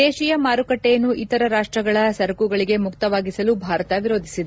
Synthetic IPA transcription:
eːʃijɐmaːɾukɐʈːejɐnːuʔit̪ɐɾɐɾaːʂʈɾɐɡɐɭɐsɐɾɐkuɡɐɭiɡe̞mukt̪ɐʋaːɡisɐlubʱaːɾɐt̪ɐʋiɾo̞ːd̪ʱisid̪e

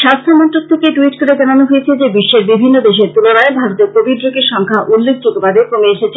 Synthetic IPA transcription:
ʃast̪ʰomɔnʈɾok̚t̪ʰekeʈuiʈkoɾed͡ʑananoɦoet͡ɕʰed͡ʑebiʃːeɾbibʱinːod̪eʃ̬eɾt̪ulonaebʱaɾot̪eɾkobid̪ɾokeɾʃɔŋkʰaʔulːek̚ʰd͡ʑot̪obad̪epɾomeeʃet͡ɕʰe

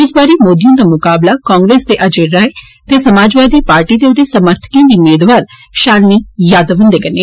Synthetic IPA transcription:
ɪsbaːɾiːmoːd̪ijõːd̪aːmʊkaːblakãːŋɡɾeːsd̪eːʔəd͡ʒeɾaːe | t̪eːsəmaːd͡ʒʋaːd̪iːpaːɾʈiːd̪eːʊd̪eːsəməɾt̪ʰə̥kãːd̪iːʊmeːd̪ʋaːɾʃaːlniːjaːd̪əʋɦə̃nd̪eːkəne

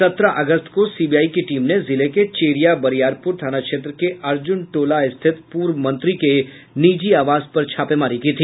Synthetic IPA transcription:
sɐt̪ɾaʔɐɡəst̪kosiːbijaːikeʈiːmnezɪleket͡ʃeːɾijabɐɾijaːɾpʊɾt̪ʰaːnakʃeːt̪̬ɾəkeʔɐɾd͡ʒʊnʈoːlaɪst̪ʰɪt̪puːɾʋəmɐ̃nt̪ɾike | niːd͡ʒiaːʋaːzpɐɾt͡ʃʰaːpemaːɾikit̪ʰiː

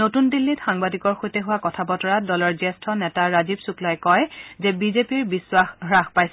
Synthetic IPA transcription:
notundilːitxaŋbadikɔɹxojtɛɦʊwakɔtʰapɔtɔɹadɔlɔɹzɛstʰɔnɛtaɹazibsuklajkɔjzɛbizepiɹbiswaxɹaxpajs

